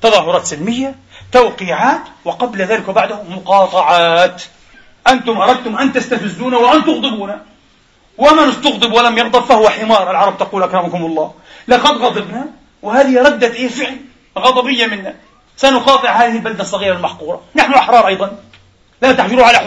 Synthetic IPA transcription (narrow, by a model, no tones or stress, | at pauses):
t̪ɑðˤɑːɦʊɾˤɑːt̪sɪlmɪjːa | t̪awqiːʕaːt̪wɪqɑblaðaːlɪkwbaʕd̪ahʊmːʊqɑːt̪ˤɑʕɑːt̪ | ʔant̪ʊmʔɑɾˤɑd̪̚t̪ʊmʔant̪ast̪afɪzːuːnawɪʔant̪ʊɣd̪ˤɨbuːna | wʔamanɪst̪ʊɣd̪ˤɨbwalamjɑɣd̪ɑɾˤfahʊwaħɪmɑːɾˤʔɪlʕɑɾˤɑb̚t̪ɑquːlʔakɾˤɑmkʊmɑlˤːɑː | lɑqɑd̪ɣɑd̪ˤɨbna | wɪhaːðɪhɾˤɑd̪ːat̪ʔeːfɪʕl | ɣɑd̪ˤɑbɪjːamɪnːa | sanʊqɑːt̪ˤɨʕhaːðɪhɪlbald̪asˤːɑɣiːɾalmaħquːɾˤɑ̰naħnʊʔɑħɾˤɑːɾˤʔɑjd̪ˤɑn | lat̪aħd͡ʒʊɾuʕala